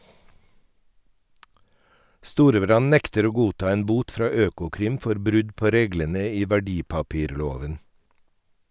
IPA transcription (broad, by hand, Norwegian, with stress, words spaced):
ˈstuːɾəˌbɾɑn ˈnɛktəɾ ˈoː ˈɡuːˌtɑː ˈeːn ˈbuːt ˈfɾɑː ˈøːkʊˌkɾɪm ˈfɔɾ ˈbɾʉd ˈpoː ˈɾeːɡlənə ˈiː ʋæˈɖiːpɑˌpiːɾˌloːʋən